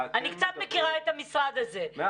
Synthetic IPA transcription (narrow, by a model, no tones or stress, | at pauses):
anikt͡sat̪mekiʁaet̪amisʁad̪aze